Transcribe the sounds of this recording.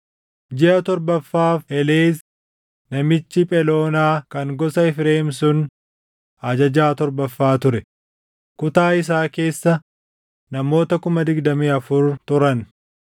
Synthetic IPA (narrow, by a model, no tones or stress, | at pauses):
d͡ʒɛɐt̪ɔɾbɐfːaːfɛleːs | nɐmɪt͡ʃːɪpʼɛlo̞ːnaːkɐŋɡɔsɐɪfɾeːmsʊn | ɐd͡ʒɐd͡ʒaːt̪ɔɾbɐfːaːt̪ʊɾɛ | kʊt̪aːɪs̬aːke̞ːsːɐ | nɐmo̞ːt̪ɐkʊmɐd̪ɪɡd̪ɐmiːɐfʊɾt̪ʊɾɐn